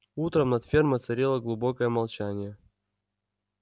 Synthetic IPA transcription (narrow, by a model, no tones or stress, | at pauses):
ut̪ɾəmnɐt̪fʲermət̪sɐɾʲelˠəɡlˠʊbokəjəmɐlˠt͡ɕænʲɪjə